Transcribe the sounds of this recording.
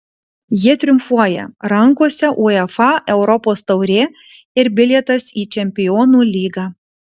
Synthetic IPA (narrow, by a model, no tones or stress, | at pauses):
jiɛt̪ʲɾʲʊmfuɔjɛ̰ɾɐŋkuɔsʲɛʔuːɛfɑʔɛʊɾɔpoːst̪ɐʊɾʲeː | ɪɾbʲɪlʲɛt̪ɐsiːt͡ʃʲɛmʲpʲɪjɔːnuːlʲiːɡɑː